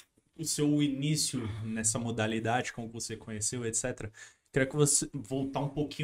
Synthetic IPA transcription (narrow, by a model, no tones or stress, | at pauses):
ʊsewinisjʊnɛsɐmod̪alid̪ad͡ʒɪkõmʊkɪvosekʰõɲesewet̪sɛt̪eɾɐ | kɛʊkɪvosevowt̪aũpokĩɲ